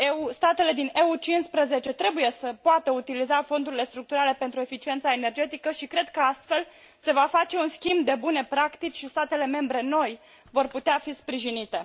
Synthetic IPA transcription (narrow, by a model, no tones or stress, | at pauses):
eust̪at̪e̞le̞d̪ine̞ut͡ʃinspɾəze̞t͡ʃe̞t̪ɾe̞buje̞səpoat̪əut̪ilizafo̞nd̪uɾile̞st̪ɾuk̚t̪uɾale̞pe̞nt̪ɾue̞fit͡ʃie̞nt̪saene̞rd͡ʒe̞t̪ikəʃikɾe̞d̪kəast̪fe̞l | se̞vafat͡ʃe̞unskʲimbd̪e̞bune̞pɾakt̪it͡ʃʃist̪at̪e̞le̞me̞mbɾe̞no̞j | vo̞rput̪eafispɾiʒinit̪e̞